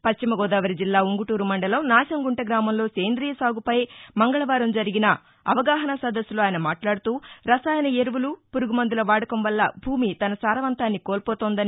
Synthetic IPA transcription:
pɐt͡ʃt͡ʃːimɐɡɔːd̪aːʋɐɾid͡ʒilːaːuŋɡuʈuːɾumɐɳɖɐlɐmnaːʃɐmɡuɳʈɐɡɾaːmɐmlo̞ːseːnd̪ɾiːjɐsaːɡupɐjmɐŋɡɐɭɐʋaːɾɐmd͡ʒɐɾiɡinɐ | ɐʋɐɡaːɦɐnɐsɐd̪ɐsːuloːaːjɐnɐmaːʈlaːɽut̪uːɾɐsaːjɐnɐeɾuʋulupuɾuɡumɐnd̪ulɐʋaːɽɐkɐmʋɐlːɐbʱuːmit̪ɐnɐsaːɾɐʋɐnt̪aːnːikoːlpɔːt̪oːnd̪ɐni

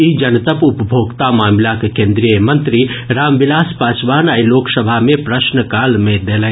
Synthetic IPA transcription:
id͡ʒɐnt̪əpʊpəbʱoːɡt̪amaːmlakekẽːnd̪ɾijəmɐ̃nt̪ɾiɾaːmbɪlaːspaːt͡ʃwaːnaːiloːksəbʱamẽpɾəʃnəkaːlmẽd̪elɛ̃

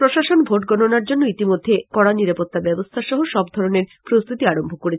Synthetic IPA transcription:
ɾoʃaʃonbʱoʈɡɔnonaɾd͡ʑonːoit̪imod̪ʱːekɔɽaniɾapot̪ːabɛbost̪ʰaʃɔɦoʃɔbd̪ʱɔɾoneɾpɾost̪ʰut̪iaɾombʱokoɾet͡ɕʰ

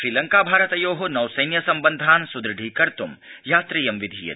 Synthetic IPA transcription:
ʃɾiːlɐŋkaːbʱaːɾɐt̪ɐjoːɦonɐwsɐjnjɐsɐmbɐnd̪ʱaːnsud̪ɾɐɖʱiːkɐɾt̪umjaːt̪ɾijɐmʋid̪ʱiːjɐ̰

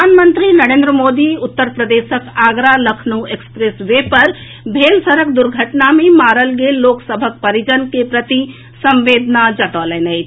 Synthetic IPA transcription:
pəanmənt̪ɾinəɾẽːnd̪ɾəmoːd̪iʊt̪ːəɾpɾəd̪esəkaɡɾaləkʰnuekspɾesʋepəɾ | bʱelsəɾəkd̪uɾɡʱəʈnamemaːɾəlɡelːoksəbʱək̚pəɾid͡ʒənkepɾət̪i | sə̃mʋed̪nad͡ʒəʈəlɛnəjt̪ʰ

